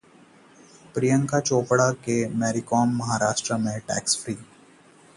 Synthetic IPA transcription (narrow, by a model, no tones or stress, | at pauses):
pɾijə̃ŋkat͡ʃoːpɽakemɛːɾikɔːmːɐɦaɾaːʃʈɾəmẽʈɛ̰ːksfɾiː